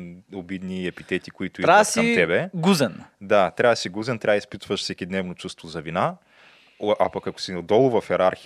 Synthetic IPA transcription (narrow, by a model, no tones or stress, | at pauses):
obid̪niɛpit̪ɛt̪ikoit̪ʊiɾaasiɐmɛbɛɡuzɛnd̪at̪ɾʲavɐsiɡuzɛnt̪ɾʲavispit̪vɐʃfsɛkʲid̪nɛvnot͡ʃust̪vozɐvina | ʔapɐkɐko̥sinɐd̪ɔlˠʊvɐfɛɾaɾx